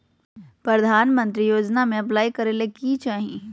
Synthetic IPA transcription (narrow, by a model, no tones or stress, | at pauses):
pɾɐd̪ʱaːnmə̃nt̪ɾijoːd͡ʒnamẽɐplaːikɐɾelekit͡ʃaːɦie